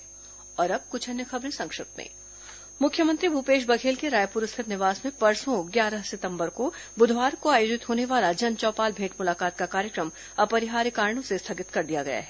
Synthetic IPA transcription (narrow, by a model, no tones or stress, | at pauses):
ɔːɾɐb̚kʊt͡ʃʰɛnːexɐbɾẽsɐ̃ŋkʃɪp̚t̪mḛ̃ː | mʊkʰjəmə̃nt̪ɾibʱupeːʃ̬bɐkʰeːlkeɾaːjpuːɾʊst̪ʰɪt̪nɪʋaːsmẽbɐɾsõɡjaːɾəɦsɪt̪ə̃mbəɾko | bʊd̪ʱʋaːɾkːoaːjoːd͡ʒɪt̪ɦoːneʋaːlad͡ʒɐnt͡ʃɔːpaːlbʱẽːʈmʊlaːkaːt̪kakaːɾjəkɾəm | ɐpɐɾɪɦaːɾikaːɾɳ̃õsest̪ʰaɡɪt̪kɐɾd̪ijaɡɐja̰ɦɛː